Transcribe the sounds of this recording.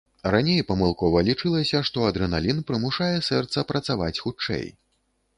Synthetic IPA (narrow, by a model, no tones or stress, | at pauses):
ranʲejpɐmɨlˠkɔvɐlʲit͡ʂɨlˠɐsʲɐʂt̪ɔɐd̪ɾɨnalʲinpɾɨmuʂajɛsɛrt̪sɐpɾɐt̪sava̰t͡sʲxut͡ʂɛ̰j